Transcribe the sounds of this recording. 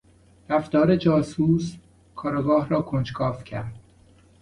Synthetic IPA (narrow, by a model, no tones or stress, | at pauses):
ɾæft̪ɒːɾe̞d͡ʒɒːsuːs | kʰɒːɾɑɡɒːhɾɒːkʰond͡ʒkʰɒːfcʰæɾd̪̥̚